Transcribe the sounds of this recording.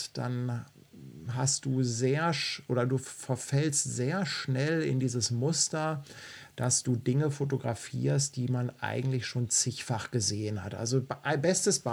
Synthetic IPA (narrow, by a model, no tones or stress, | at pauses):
d̥a̰n | ɦastd̥uːzeːɐʃʔoːdɐduːfɛɐfɛlstz̥eːɐʃnɛlɪ̰ndiːzəsmʊstɐd̥asd̥uːdɪŋəfotoɡʁafḭːɐst̚d̥iːmanʔa̰ɪɡŋ̩tlɪçʃoːnt͡sɪçfaχɡ̥əzeːənha̰tʔa̰lzobʔbɛstəsb̥a